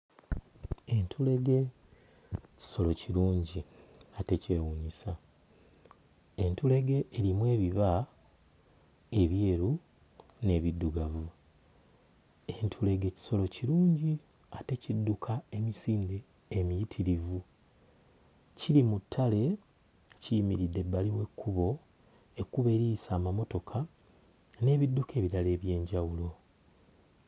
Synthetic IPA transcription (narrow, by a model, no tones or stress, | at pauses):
e̞ntʰule̞ɡe̞ | ci̥so̞lo̞ciɾuːɲɟiate̞cewuɲisa | e̞ntule̞ɡe̞ʔːɾimwe̞ːβiβa | e̞βje̞ːɾu | ne̞ːβidːuɡavu | entʰule̞ɡeci̥so̞lo̞ciɾuːɲɟi | ate̞cidːukʰae̞misiːndeː | mijitʰiɾivu | cilimutʰːale̞ | cijimiɾidːe̞bːaliwe̞kːuβo̞ | ekːuβe̞ːɾiisaːmamo̞to̞kʰa | ne̞ːβidːuke̞ːβiɾale̞ːβje̞ːɲɟawulo̞